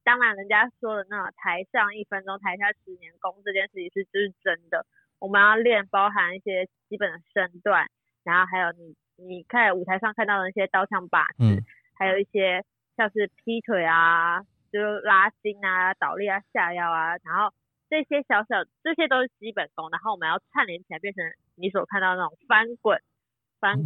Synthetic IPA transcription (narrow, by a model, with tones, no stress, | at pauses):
t̪ɑ˥ŋma˨˩nɻə˧˦˥nt͡ɕja˦˥ʂwɔ˥lə˨na˥˩ə˨˩t̪ʰa˧˥ɪʂɑ˥˧ŋi˥˩fə˥nʈ͡ʂʊ˥ŋt̪ʰa˧ɪʂja˥˩ʂɻ̩˧˥njɛ˧˥nkʊ˥ŋʈ͡ʂɤ˥˧t͡ɕjɛ˥˧nʂɻ̩˥˩t͡ɕʰi˨˧˩ʂɻ̩˥˩t͡ɕo˥˧˥ʂɻ̩˥˩ʈ͡ʂə˥nd̪ə˨ | wɔ˨˩mə˦jɑ˥˧ŋljɛ˥˩npɑ˥ʊɦa˧˥ni˥˩ɕjɛ˥t͡ɕi˥pə˨˩nd̪ə˩ʂə˥˩nt̪wa˥˩n | ɻa˧˥nxo˥˩ʊɦa˧˥ɪjo˨˧˩ʊni˨˩ | ni˨˩kʰa˥˧na˩u˨˩t̪ʰa˧˥ɪʂɑ˥˧ŋkʰa˥˧nt̪ɑ˥˩ʊd̪ə˩i˥˩ɕjɛ˥t̪ɑ˥˧ʊt͡ɕʰjɑ˥˩ŋpa̰˨˩ʈ͡ʂ̩˥˩ | ha˧˥ɪjo˨˩ʊi˥˩ɕjɛ˥ | ɕjɑ˥˧ʊʂ̩˥˩pʰi˥t̪ʰwe˨˩ɪa˩ | t͡ɕjo˥˩jo˥˩la˥t͡ɕi˥na˨t̪ɑ˨˩ʊli˥˩a˨ɕja˥˧jɑ˥˩ʊa˩na˧˥nxo˥˧ʊ | ʈ͡ʂɤ˥˩ɕjɛ˥ɕjɑ˧˥ʊɕjɑ˨˩ʊʈ͡ʂɤ˥˩ɕjɛ˥t̪o˥ʂɻ̩˥˩t͡ɕi˥pə˨˩nko˥ŋna˧˥xo˥˩wɔ˨˩ə˦jɑ˥˧ʊt͡sʰa˥˩nljɛ˧˥nt͡ɕʰjɛ˧˥npjɛ˥˩nʈ͡ʂʰə˧˥˦ŋ | ni˨˧˥s̬wɔ˨˩kʰa˥˧t̪ɑ˥˩d̪ə˧na˥˩ʈ͡ʂʊ˨˩ŋfa˥nkwə˨˩˦n | fa˥n